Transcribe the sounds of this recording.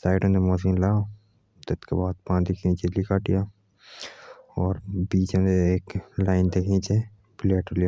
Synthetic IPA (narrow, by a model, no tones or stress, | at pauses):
saːɪɖõnemɔːsiːnlaːo | d̪ɐt̪kebaːd̪pãːd̪ikʰnit͡ʃelikaːʈija | ɔːɾbiːt͡ʃõneeːklaːɪnd̪eːkʰnĩt͡ʃe | bɪleːʈolija